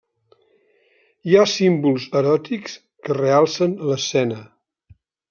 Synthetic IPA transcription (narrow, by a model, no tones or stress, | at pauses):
jasimbulˠzəɾɔt̪iks | kərealˠsənələsɛnə